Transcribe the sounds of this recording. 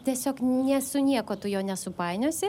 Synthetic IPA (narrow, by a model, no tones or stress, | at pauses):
t̪ʲiɛsʲoːknʲɛsʊnʲiɛkoːt̪ʊjoːnʲɛsʊpɑɪnʲoːsʲɪ